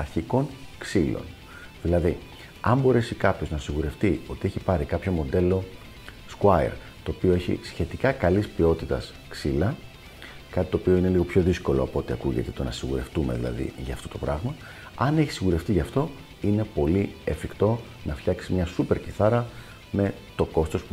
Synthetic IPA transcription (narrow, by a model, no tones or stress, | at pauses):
ɐɾçiko̞ŋksilo̞̰n | ðilɐði | ɐmbo̞ɾe̞sikɐpço̞znɐsiɣuɾe̞ft̪io̞t̪ieçipɐɾikɐpço̞mo̞d̪e̞lo̞ | skwɐḛɾ | t̪o̞ːpio̞e̞çḭsçe̞t̪ikɐkɐlispio̞t̪it̪ɐs | ksilɐ | kɐt̪it̪o̞ːpioine̞liɣo̞pço̞ðisko̞lo̞̰ɐpo̞t̪iɐkuʝet̪e̞t̪o̞nɐsiɣuɾe̞ft̪ume̞̰ðilɐ̰ðḭʝɐft̪o̞t̪o̞pɾɐɣmɐ | ɐne̞çi̥siɣuɾe̞ft̪iʝɐft̪o̞ | ine̞po̞liefikt̪o̞ | nɐfçɐksimɲɐsupe̞ɾciθɐɾɐ | me̞ | t̪o̞ko̞st̪ospu